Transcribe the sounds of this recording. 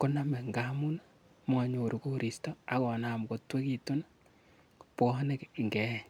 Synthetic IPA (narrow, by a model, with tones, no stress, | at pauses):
ko˦na˦mɛ˨ŋɡa˦mu˦na | m˦a˨ɲo˨ɾu˦ko˦ɾʔi˨sto˦a˨kɔ˨na˨m˨ko˨twe˦ki˨to˦n | pɔ˦ha˦ne˦kːŋɡɛ˨